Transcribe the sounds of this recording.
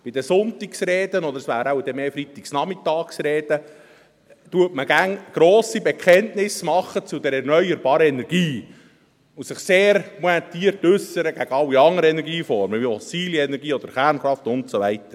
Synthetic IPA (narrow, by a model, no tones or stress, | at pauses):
b̥ɪd̥̪əsʊnt̪iksɾeːd̪ənɔd̪əɾəsʋæːɾawd̥̪ɛmeːfɾit̪iksnɑmɪtɑːksɾeːd̥ə | t̪uətməɡ̥æŋɡ̥ɾoːsibɛkʰχɛntnɪsmɑχːət͡sud̪ɛɾɛɾnœʏəɾbɑːɾəɛnɛɾɡ̥iː | ʊsɪχseːɾmoɛt̪iːəɾtʏsəɾəɡ̥æɡ̥əɑwiɑŋəɾəɛnɛɾɡiːfɔɾməvifɔsiːliɛnɛɾɡiːɔd̥̪əɾχæɾnχɾɑft̪ʊntsoʋæɪtəɾ